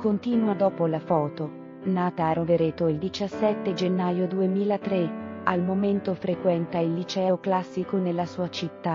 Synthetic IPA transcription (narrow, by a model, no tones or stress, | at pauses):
kont̪iːnwad̪ɔːpolafɔːt̪o | naːt̪aːɾoveɾeːt̪oild̪it͡ʃasːɛt̪ːed͡ʒenːajod̪uemiːlat̪ɾealmoment̪ofɾekwɛnt̪ailːit͡ʃɛːoklasːikonelːasuːat͡ʃit̪ːa